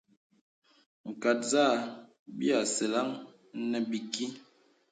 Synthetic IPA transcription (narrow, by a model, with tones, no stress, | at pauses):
ŋ̩˨ka˨t̚za˦˨ | bi˦a˨sɛ˨la˦ŋ˦ | nɛ˦bi˨ki˦